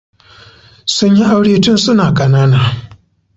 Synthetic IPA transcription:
sə˥˨ɲi˥˨ʔa˦wɾiː˥˨tʰu˥nsu˥˨na˨ka˨na˨na˨

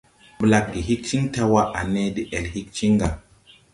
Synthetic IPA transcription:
bla˨kːi˨ɦi˦k̚t͡ʃi˦ŋta˦wa˦ʔa˨ne˦di˦ʔe˨lhi˦k̚t͡ʃi˦ŋɡa˨

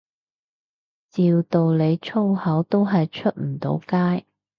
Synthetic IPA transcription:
t͡siː˨wt̪o˨wle˨˧jt͡ʃʰo˥whɐ˨˥wt̪o˥wɦɐ˨jt͡ʃʰɵ˥t̚m̩˨˩t̪o̰˨˧˥wkaː˥j

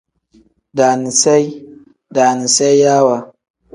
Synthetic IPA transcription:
da˨ni˨sa˦j | da˨ni˨sa˦jja˦wa˨

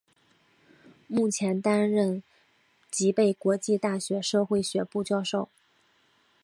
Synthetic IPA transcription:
mu˥˩t͡ɕʰjɛ˧˥nt̪a˥nɻə˥˩n | t͡ɕi˧˥pe˥˩ɪkwɔ˧˥t͡ɕi˥˧t̪a˥˩ɕɥɛ˧˥ʂɤ˥˧xwe˥˩ɪɕɥɛ˧˥pu˥˩t͡ɕjɑ˥ʊʂo˥˩ʊ

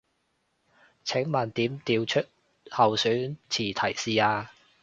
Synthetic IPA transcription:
t͡sʰɛ˨˥ŋmaː˨˩nt̪iː˨˥mt̪iː˧wt͡ʃʰɵ˥t̚ | hɐ˨wsyː˨˥nt͡sʰiː˨˩t̪ʰɐ˨˩jsiː˨aː˧

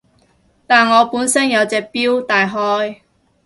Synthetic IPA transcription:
t̪aː˨nŋɔː˨˧puː˨˥nsɐ˥njɐ˨˧wt͡sɛː˨k̚piː˥wt̪aː˨jɦɔː˥j

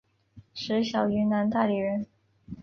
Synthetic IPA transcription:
ʂɻ̩˧˥ɕjɑ˨˩ʊy˧˥na˧˥nt̪a˥˩li˨˩ɻə˧˥n

